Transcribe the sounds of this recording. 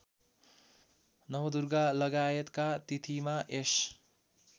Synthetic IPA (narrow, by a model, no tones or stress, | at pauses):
nʌwʌd̪urɡalʌɡajet̪kat̪it̪ʰimaʔes